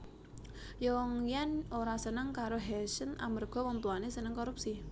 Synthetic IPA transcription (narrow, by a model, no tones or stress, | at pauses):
jɔŋjanoɾasənəŋkaɾoɦɛsəna̰mərɡ̥ɔ̤wɔmpluanesənəŋkoɾup̚si